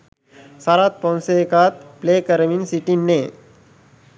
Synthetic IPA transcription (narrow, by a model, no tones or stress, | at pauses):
saɾat̪̚pɔnsekat̪̚plekəɾminsiʈinːe